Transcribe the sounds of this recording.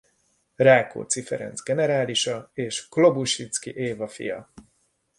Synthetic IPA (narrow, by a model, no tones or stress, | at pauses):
raːko̰ːt̪sifɛ̰ɾɛ̰nzɡɛnɛɾaːliʃɒeːʃklo̞buʃit̪skiʔeːvɒfḭjɒ̰